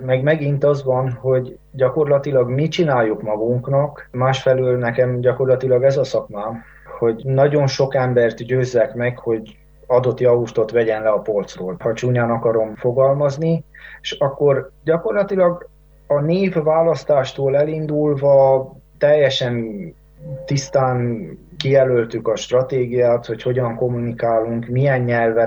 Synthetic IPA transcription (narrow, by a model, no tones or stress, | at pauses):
mɛɡmɛɡint̪ɒzʋɒnho̞ɟ | ɟɒko̞rlɒt̪ilɒɡmit͡ʃinaːjːukmɒɡuŋknɒkmaːʃfɛløːlnɛkɛmɟɒko̞rlɒt̪ilɒɡɛzɒsɒkmaːm | ho̞ɟnɒɟo̞nʃo̞kɛmbɛrt̪ɟøːzːɛkmɛkho̞ɟ | ɒd̪o̞t̪jɒuʃt̪o̞t̪ʋɛɟɛnlɛɒpo̞lt̪sroːlhɒt͡ʃuːɲaːnɒkɒɾo̞mfo̞ɡɒlmɒznieʃɒkːo̞rɟɒko̞rlɒt̪ilɒɡ | ɒneːvːaːlɒst̪aːʃt̪oːlɛlind̪ulvɒt̪ɛjːɛʃɛn | t̪ist̪aːnkijɛlølt̪ykɒʃt̪rɒt̪eːɡijaːt̪ho̞cho̞ɟɒŋko̞mːunikaːluŋkmijɛnɲɛlvɛ